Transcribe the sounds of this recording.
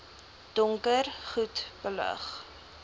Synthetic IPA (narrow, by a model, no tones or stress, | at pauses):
d̥ɔŋkərχutb̥ələ̰χ